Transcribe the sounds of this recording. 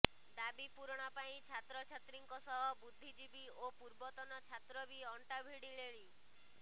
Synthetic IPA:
d̪abipuɾɽ̃ɔpaĩt͡ʃʰat̪ɾɔt͡ʃʰat̪ɾiŋkɔsɔɦɔbud̪ʱːid͡ʒibi | opuɾbɔt̪ɔnɔt͡ʃʰat̪ɾɔbiɔɳʈabʱiɽileɭ̃i

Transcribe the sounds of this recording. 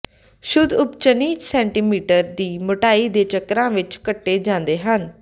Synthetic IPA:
ʃʊd̪ʊpt͡ʃəniːd͡ʒsɛːɳʈiːmiːʈəɾd̪iːmʊʈaːiːd̪eːt͡ʃəkɾãːʋɪt͡ʃkəʈːeːd͡ʒãːnd̪eːɦən

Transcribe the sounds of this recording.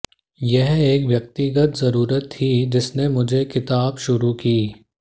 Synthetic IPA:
jɛɦeːkʋjɐk̚t̪iɡət̪zɐɾuːɾət̪ʰːid͡ʒɪsnemʊd͡ʒʱekɪt̪aːbʃʊɾukiː

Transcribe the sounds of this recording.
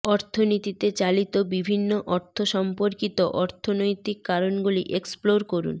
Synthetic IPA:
ɔɾt̪ʰonit̪it̪et͡ɕalit̪obibʱinːoʔɔɾt̪ʰoʃɔmpoɾkit̪oʔɔɾt̪ʰonojt̪ikːaɾonɡuliʔeksploɾkoɾṵn

